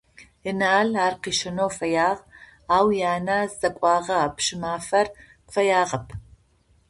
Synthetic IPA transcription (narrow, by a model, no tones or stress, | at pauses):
ənaːɮaːrqiːʃɐnoːfɐjaːʁ | aːwjaːnaːzzɐkʷʼɑːʁɐːpʃɪmaːfɐr | qfɐjaːʁɐpʰ